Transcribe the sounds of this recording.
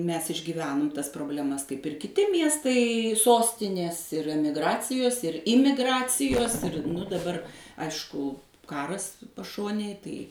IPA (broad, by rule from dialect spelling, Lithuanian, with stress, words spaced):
ˈmʲɛs ɪʒʲɡʲiːˈʋʲæːnʊm ˈtɐs proːbʲlʲɛˈmɐs kɐɪp ɪr kʲɪˈtʲɪ ˈmʲiɛstɐɪ ˈsoːsʲtʲɪnʲeːs ɪr ˈæːmʲɪɡˈrɑːt͡sʲɪjoːs ɪr ˈɪmʲɪˈɡrɑːt͡sʲɪjoːs ɪr dɐˈbɐr ˈɐɪʃkʊ ˈkɑːrɐs pɐˈʃoːnʲeːj ˈtɐɪ